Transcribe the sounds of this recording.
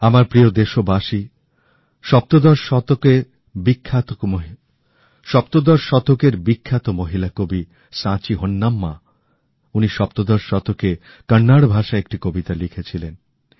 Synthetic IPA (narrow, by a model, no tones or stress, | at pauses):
amaɾpɾiod̪eʃobaʃi | ʃɔp̚t̪od̪ɔɾʃɔt̪oke | bikʰːat̪o | ʃɔp̚t̪od̪ɔɾʃɔt̪okeɾbikʰːat̪omoɦilakobi | sãt͡ɕiɦonːamːa | uniʃɔp̚t̪od̪ɔɾʃɔt̪oke | kənːaɽbʱaʃaek̚ʈikobit̪alikʰet͡ɕʰilen